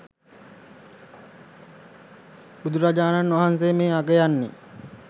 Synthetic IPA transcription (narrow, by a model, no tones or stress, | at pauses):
bud̪uɾad͡ʒaːnanːʋaɦans̬eːmeːaɡejanːi